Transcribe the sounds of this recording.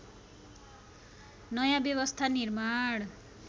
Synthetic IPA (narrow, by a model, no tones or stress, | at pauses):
nʌjãbjʌβʌst̪ʰanirmaɽ